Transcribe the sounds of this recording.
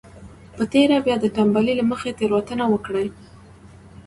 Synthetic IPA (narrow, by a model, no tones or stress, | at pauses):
pət̪eɾabjɑd̪əʈambalilaməxet̪eɾwat̪ənawəkɽaj